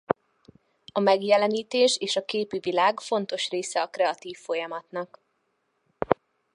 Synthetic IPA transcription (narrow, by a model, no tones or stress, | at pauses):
ɒmɛɡjɛlɛniːt̪eːʃeːʃɒkeːpivilaːɡfo̞nt̪o̞ʃreːsɛɒkrɛɒt̪iːfːo̞jɒmɒt̪nɒk